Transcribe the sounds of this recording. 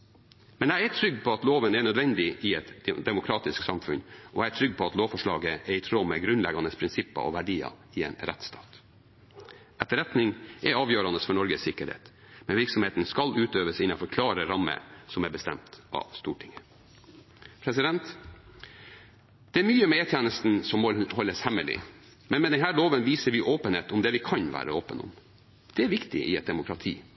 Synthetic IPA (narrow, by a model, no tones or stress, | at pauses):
mɛnæɪæʈʰɾʏɡːpʰɔɑt̪loːʋənɛɳœd̪ʋɛnd̪ɪʔɪɛt̪d̪ɛmʊkʰɾɑːt̪ɪsksɑmfʉnʔɔæɪæʈʰɾʏɡpʰɔɑt̪loːʋfɔʂɭɑːɡəɛɾɪt̪ʰɾoːmɛɡɾʉnlɛɡɑnəspʰɾɪnsɪpːɑ̰ʔɔ̰ʋæɖiːɑ̰ | ɪḛːnɾɛ̰t̪st̪ɑ̰ːt̪ | ʔɛt̪ːəɾɛt̪nɪŋʔɛɾɑːʋjøːɾɑnəsfɔɳɔɾɡəssɪkːəɾhḛːt̪ | mɛnʋɪɾksɔmheːt̪n̩skɑlʉːt̪øːʋəsɪnːɑfɔɾkʰlɑːɾəɾɑmːə̰sɔmæbəst̪ɛ̰mt̪ɑ̰ʋst̪uːʈʰɪŋə | pʰɾɛsɪd̪ɛnt̪ | d̪̥ɛæɾmyːəmɛeːt̪ʰjɛːnəst̪n̩sɔmhɔlːəshɛməlɪ̰ | mɛnmɛd̪ɛnɦæːloːʋənʋiːsəɾʋɪʔoːpənheːt̪ɔmd̪ɛʋɪkʰɑnʋæ̰ːɾəoːpənʊ̰m | d̪̥ɛæɾʋɪkt̪ɪ̰ʔɪɛt̪̚d̪ɛmʊkʰɾɑt̪ʰiː